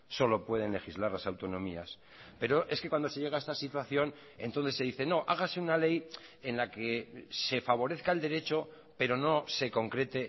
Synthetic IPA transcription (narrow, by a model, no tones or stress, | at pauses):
so̞lo̞pwe̞ð̞e̞nle̞xizlaɾlasawt̪o̞nõ̞mia̰s | pe̞ɾo̞ʔe̞ske̞kwand̪ose̞ʝe̞ɣae̞st̪asit̪waθjo̞n | e̞̰nt̪onθesːe̞ðiθe̞no̞ʔaɣ̞ase̞unale̞je̞nlakese̞faβ̞o̞ɾe̞θkae̞ld̪e̞ɾe̞t͡ʃo̞ | pe̞ɾo̞no̞se̞ko̞ŋkɾe̞t̪e̞